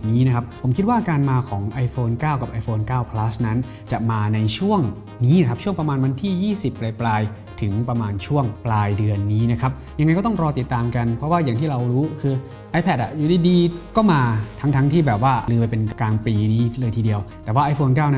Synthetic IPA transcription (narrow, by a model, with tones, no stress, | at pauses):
niː˦˥na˦˥kʰa˦˥p̚ʰo˩˦mkʰi˦t̪̚waː˥˩kaː˧nmaː˧kʰɔː˩˦ŋʔa˧jfoː˧nkaː˥˩wka˨˩p̚ʔa˧jfoː˧nkaː˥˩wpʰla˦˥sna˦˥n | t͡ɕa˨˩maː˧na˧jt͡ɕʰu˥˩əŋ | niː˦˥na˦k̚ʰt͡ɕʰu˥˩əŋpɾa˧maː˧nwa˧nt̪ʰiː˥˩jiː˥˩si˨˩pːɾa˧jplaː˧j | t̪ʰɯ˩˦ŋpɾa˧maː˧nt͡ɕʰu˥˩əŋplaː˧jdɯ˧ənːiː˦˥na˦˥kʰa˦˥p̚ja˧ŋː˧jkɔː˥˩t̪ɔ˥˩ŋɾɔː˧t̪i˨˩t̪ːaː˧mka˧npʰɾɔ˦˥waː˥˩jaː˨˩ŋt̪ʰiː˥˩ɾa˧wɾuː˦˥kʰɯː˧ | ʔaː˦˧jpʰɛ˨˩t̪̚a̰˨˩juː˨˩diː˧˩diː˧kɔː˥˩maː˧t̪ʰa˦˥ŋt̪ʰa˦˥ŋt̪ʰiː˥˩bɛː˨˩p̚waː˥˩˧lɯː˧p̬a˧jpe˧nkaː˧ŋpliː˧niː˦˥lɤː˧jt̪ʰiː˧di˧əwt̪ɛː˨˩waː˥˩ʔa˧jfoː˧nk̬aː˥˩wna˦˥